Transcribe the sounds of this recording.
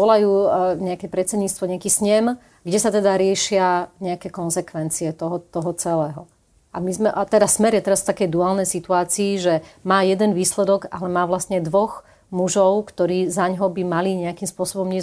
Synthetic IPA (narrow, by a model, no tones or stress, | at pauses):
ɔlajuːɲɛakɛpɾɛt̪t͡sɛd̪ɲiːt͡st̪ʋɔɲɛakiːsɲɛm | ɡɟɛsat̪ɛd̪aɾɪɛʃɪaɲɛakɛkɔnzɛkʋɛnt͡siɛt̪ɔɦɔt̪ɔɦɔt͡sɛlɛːɦɔ | ʔamizmɛʔat̪ɛd̪asmɛɾjɛt̪ɛɾasft̪akɛjd̪uaːlnɛjsit̪uaːt͡siːʒɛmaːjɛd̪ɛnʋiːslɛd̪ɔɡa̰lɛmaːʋlast̪ɲɛd̪ʋɔx | muʒɔʊkt̪ɔɾiːzaɲɦɔbimaliɲɛakimspʊɔsɔbɔmɲɛ